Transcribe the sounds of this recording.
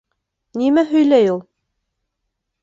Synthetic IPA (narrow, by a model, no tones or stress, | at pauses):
nimæɦɵ̆jlæjulˠ